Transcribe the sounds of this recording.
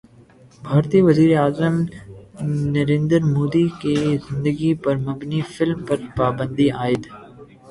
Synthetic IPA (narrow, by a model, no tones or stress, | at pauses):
bʱaːɾt̪iʋɐziːɾeaːzəm | nɐɾẽːnd̪əɾmoːd̪ikezɪ̃nd̪əɡipɐɾmɐbnifɪlmpɐɾpaːbə̃nd̪iaːɪd̪